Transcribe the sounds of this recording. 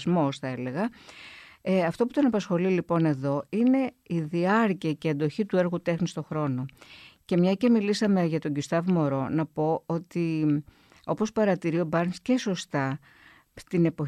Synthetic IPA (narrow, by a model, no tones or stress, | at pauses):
zmo̞sθɐe̞le̞ɣɐ | eɐft̪o̞put̪o̞nɐpɐsxo̞lilipo̞ne̞ðo̞ine̞iðiɐɾciɐceɐd̪o̞çit̪ue̞ɾɣut̪e̞xnist̪o̞xɾo̞no̞ce̞mɲɐce̞milisɐme̞ʝɐt̪o̞ɲɟust̪ɐvmo̞ɾo̞nɐpo̞o̞t̪i | o̞po̞spɐɾɐt̪iɾio̞bɐɾnsce̞so̞st̪ɐ | t̪ine̞po̞